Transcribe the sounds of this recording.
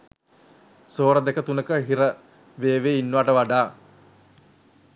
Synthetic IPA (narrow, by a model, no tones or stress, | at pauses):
soːɾəd̪ekət̪unəkəɦiɾə | ʋeːʋeːinːuʋaːʈəʋaɖaː